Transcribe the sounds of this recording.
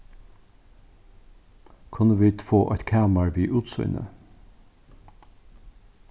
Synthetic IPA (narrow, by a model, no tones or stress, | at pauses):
kʰʊnəʋiːd̪foːʔɔ̰t̪kʰaːmaɹviːʔuːt̪sɔ̰ʏnə̰